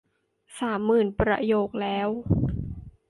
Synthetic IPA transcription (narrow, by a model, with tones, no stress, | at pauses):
saː˩˦mːɯː˨˩npɾa̰˧joː˨˩k̚lɛː˦˥w